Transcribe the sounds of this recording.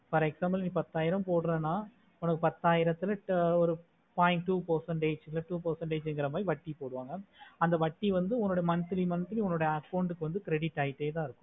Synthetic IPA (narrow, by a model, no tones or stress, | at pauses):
fɐɾɛksaːmbɐlniːpɐt̪ːaːjɪɾɐmpoːɽɯɾɛnːaː | ʊnɐkːɯpɐt̪ːaːjɪɾɐt̪ːɪlɐɔɾɯ | paːɪɳʈːuːpɐɾsɐɳʈeːd͡ʒɪlɐʈuːpɐɾsɐɳʈeːd͡ʒɛŋɡɪɾɐmaːjiʋɐʈːipoːɽɯʋaːŋɡɐɐnd̪ɐʋɐʈːiʋɐnd̪ɯʊŋːoɽɐjɐmɐnt̪ɯlimɐnt̪ɯliʊŋːoɽɐjɐaːkːɐʊɳɖɯkːɯʋɐnd̪ɯkɾɛɽɪʈːaːjɪʈːeːt̪ãːɪɾɯkːʊ̥̃